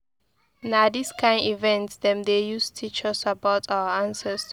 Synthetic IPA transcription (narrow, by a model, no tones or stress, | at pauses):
nadiskʰãɪ̃ndivɛ̃ntsd̪ɛ̃md̪ejustʰit͡ʃasabaʊtʰawəãnsəs